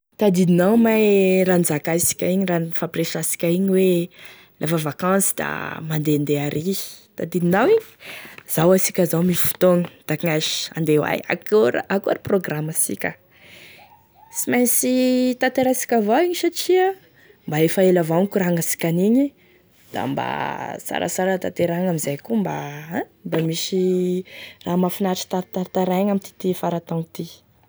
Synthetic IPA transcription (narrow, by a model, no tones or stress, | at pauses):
t̪ad̪id̪inawmajɾand͡zakasi̥kʲaiɲiranifapreʃasi̥kʲaiɲiwe | lʔafavakãsi̥d̪̥a̰mand̪end̪eaɾʔit̪ad̪id̪inawiɲi̥z̥awasikʲəzawmifu̥t̪oŋə̥d̪̥akŋaʃi̥a̰nd̪ewa̰ja̰koɾ̰akuaɾiproɡramasḭkʲə | simajsit̪at̪eɾasi̥kʲavawiɲiʃaʈ͡ʂiə | mbaefaelavankuɾaŋasi̥kʲaniɲi | d̪̥a̰mba̰sa̰ɾa̰saɾət̪at̪eɾaŋamizajkumba | mbamisi | raːmafinaʈ͡ʂi̥t̪aɾt̪aɾt̪aɾaɲamint̪i̥t̪ifaɾat̪aŋit̪i